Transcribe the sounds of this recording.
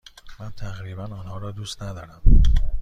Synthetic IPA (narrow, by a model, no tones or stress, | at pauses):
mænt̪ʰæɣɾiːbænɒːnhɒːɾɒːd̪uːst̪næd̪ɒːɾæm